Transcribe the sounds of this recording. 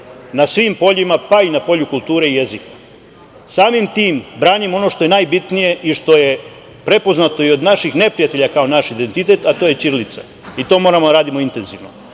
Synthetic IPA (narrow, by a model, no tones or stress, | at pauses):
nasʋiːmpo̞ʎimapainapo̞ʎukulˠt̪uːɾe̞ije̞zikḁ | saːmimt̪iːmbɾaːnimo̞no̞ʃt̪o̞je̞naːjbit̪nije̞ʔiʃt̪o̞je̞ | pɾe̞po̞znat̪o̞io̞d̪naʃixne̞pɾijat̪e̞ʎakaonaʃid̪e̞nt̪it̪e̞t̪at̪o̞ːje̞t͡ʃiɾlit̪sa̰ | it̪o̞ːmo̞ːɾamod̪aɾaːd̪imo̞int̪e̞nziʋno̰